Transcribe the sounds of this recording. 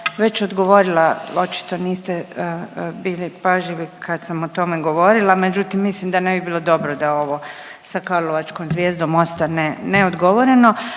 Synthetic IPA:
ʋe̞t͡ʃod̪ɡo̞ʋo̞ɾilao̞t͡ʃi̥t̪o̞niːst̪e | biːlipaʒʎiʋikʰad̪samot̪o̞meɡo̞ʋo̞ɾilˠame̞d͡ʒut̪imːislimd̪anebibiːlo̞d̪o̞bɾod̪ao̞ʋo̞ | sakaɾloʋat͡ʃkomzʋjeːzd̪omost̪aneneod̪ɡo̞ʋo̞ɾeno̞

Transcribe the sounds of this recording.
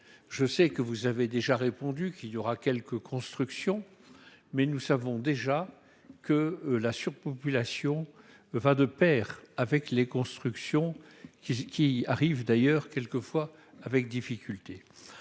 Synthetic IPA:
ʒəsɛkəvuzaved̪eʒaʁepɔ̃d̪ykiljɔʁakʲɛlkəkʰɔ̃st̪χyksjɔ̃ | mɛnusavɔ̃d̪eʒa | kəlasyʁpɔpylasjɔ̃ | vad̪əpɛːʁavɛklekɔ̃st̪χyksjɔ̃ | ikʲiaʁivd̪ajœːʁkʲɛlkəfwaː | vɛk̚d̪ifikʲʰylt̪e

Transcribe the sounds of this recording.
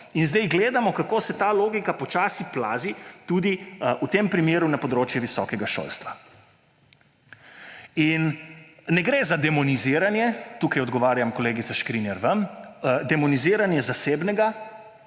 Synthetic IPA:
inzd̪ɛjɡleːd̪amɔkakoːsɛt̪aːloːɡikapɔt͡ʃaːsiplaːzit̪uːd̪iut̪eːmpɾimeːɾunapɔd̪ɾoːt͡ʃjɛʋisɔ̰kɛɡaʃo̰ːlst̪ʋa | innɛɡɾeːzad̪ɛmɔniziːɾanjɛt̪uːkajɔd̪ɡɔʋaːɾjamkɔleːɡit̪saʃkɾinjɛɾʋəmd̪ɛmɔniziːɾanjɛzaseːbnɛɡa

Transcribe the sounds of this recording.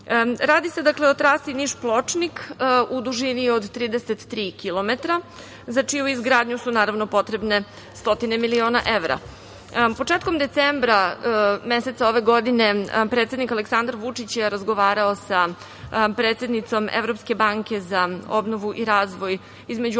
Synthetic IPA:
ɾaːd̪ise̞d̪akleot̪ɾaːsiniʃplˠo̞t͡ʂnikud̪uʒiniod̪t̪ːɾiːd̪eset̪ːɾiːkilˠo̞met̪ɾa | zat͡ʂiuizɡɾaːd̪ɲusunaːɾavno̞po̞t̪ɾe̞bne̞ | st̪o̞t̪inemilio̞ːna̰ʔe̞ʋɾa̰ | po̞t͡ʂe̞ːt̪ko̞md̪et̪sembɾame̞set̪sao̞ʋeɡo̞d̪ine̞pɾet̪se̞d̪nikaleksand̪ɾaɾʋut͡ʂit͡ɕjeɾazɡoʋaːɾaosa | pɾe̞ːt̪se̞d̪nit̪so̞mḛvɾo̞pske̞baːŋke̞zaobno̞ʋuʔiɾaːzʋo̞j | izmed͡ʑu

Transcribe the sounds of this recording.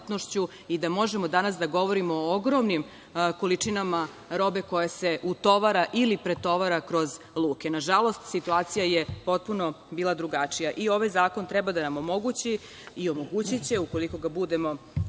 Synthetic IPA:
t̪noʃt͡ɕu | id̪amo̞ʒemod̪anasd̪aɡo̞ʋoɾimoːoɡɾo̞mnim | ko̞lit͡ʂinama | ɾo̞be̞ko̞jase̞ʔut̪o̞ʋaɾaʔilipɾet̪o̞ʋaɾakɾo̞z | lˠuːke̞naʒalˠo̞st̪sit̪uaːt̪sijajepo̞t̪̚puno̞ | biːlˠad̪ɾuɡat͡ʂijaʔio̞ʋajzaːko̞nt̪ɾɛbad̪anamo̞mo̞ɡut͡ɕi | io̞mo̞ɡut͡ɕit͡ɕe̞uko̞liko̞ɡabud̪e̞mo̞

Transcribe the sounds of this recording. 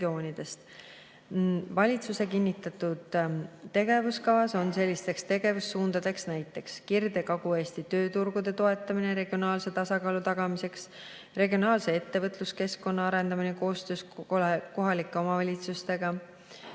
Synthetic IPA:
o̞ːnʲid̪̥e̞st̪ | vɑlʲit̪suse̞kinʲːit̪ːˑɑt̪ːˑud̪̥t̪ːe̞ɡ̥e̞vuskɑvɑso̞nse̞lʲːist̪e̞kst̪e̞ɡ̥e̞vusːuːnd̪̥ɑd̪e̞ksnæjt̪ːˑe̞kskird̪e̞kɑɡue̞ːst̪it̪ø̞ːt̪urɡ̥ud̪̥e̞t̪o̞e̞t̪ːˑɑmineɾe̞ɡ̥io̞nɑːlse̞t̪ɑsɑkɑːlut̪ɑɡ̥ɑmise̞ks | re̞ɡio̞nɑːlse̞e̞t̪ːe̞vɤt̪ˑluske̞skːo̞nːɑɑɾe̞nd̪ɑmineko̞ːst̪ø̞ːsko̞ɦɑlikːˑe̞o̞mɑvɑlʲit̪sust̪e̞ɡ̥ɑ

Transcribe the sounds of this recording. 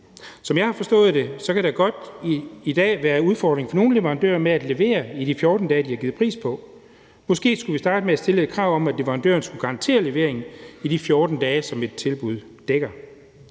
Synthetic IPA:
sɒ̽mjɑ̈ɪhɑ̈fɒ̽sd̥ɔ̰̽ːð̩ˠd̥e̝sɒ̽kʰæɾ̥æɡ̥ɒ̽d̥iid̥ɛ̰ːʋæːɐuð̞ˠfɒːd̥ʁeŋfɒ̽no̝ːn̩le̝ʋɐʁɑnd̥ø̰ːɐmeæd̥le̝ʋe̝̰ːɐidifjɔːd̥n̩d̥ɛːd̥ihɑ̈ɡiːð̩ˠpʰʁḭːspʰɒ̽ | mɒ̽sɡ̥e̝̰ːsɡ̥uʋisd̥ɑ̈ːd̥əmeæsd̥e̝ləed̥̚kʰʁɑ̈ʊ̰ɒ̽mæ̥le̝ʋɐʁɑ̈nd̥ø̰ːɐnsɡ̥uɡ̥ɑ̈ɑnt͡sʰe̝̰ːɐle̝ʋe̝ɐe̝ŋn̩id̥ifjɔːd̥n̩d̥ɛːsɒ̽me̝d̥̚t͡sʰe̝lb̥uð̞̰ˠ | d̥eɡ̥ɐ

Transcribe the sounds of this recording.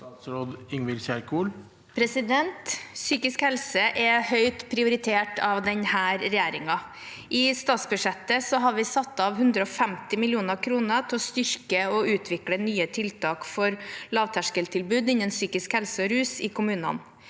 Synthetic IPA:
t̪sɾoːd̪ɪŋʋɪlçæɾkʰuːl | pʰɾɛsɪd̪ɛnt̪syːkɪskhɛlsəʔɛhœʏt̪pʰɾɪʊɾɪt̪ʰeːʈɑʋd̪ɛɲhæːɾɾɛjeːɾɪŋɑ | ʔɪst̪ɑːt̪sbʉʂɛt̪ːəsɔɦɑɾʋɪsɑt̪ːɑʋɦʉnd̪ɾəɔfɛmt̪ɪmɪlɪuːnəɾkʰɾuːnət̪ʰɪlɔst̪ʏɾkəɔʉːt̪ʰʋɪklənyːət̪ʰɪlt̪ʰɑːkfɔɾlɑːʋt̪ʰæʂkəlt̪ʰɪlbʉːd̪ɪɲənsyːkɪskhɛlsəɔɾʉːsɪkʊmʉːnɑ̰n

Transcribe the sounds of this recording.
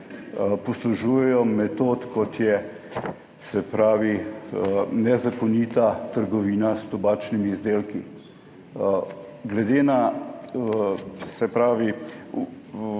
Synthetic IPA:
pɔsluʒuːjɛjɔmɛt̪oːt̪kɔt̪jɛ | sɛpɾaːʋi | nɛzakɔniːt̪at̪əɾɡɔʋiːnast̪ɔbaːt͡ʃnimiːzd̪eːlki | ɡlɛd̪eːna | sɛpɾaːʋi

